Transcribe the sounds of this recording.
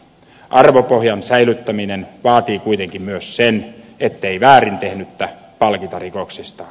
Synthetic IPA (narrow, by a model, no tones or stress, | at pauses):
ʔɑrʋopohjɑnsæilyt̪ːæminenʋɑːt̪iːkuit̪eŋkimmyøssenet̪ːeiʋæːrint̪ehnyt̪ːæ | pɑlkit̪ɑrikoksist̪ɑ̥ː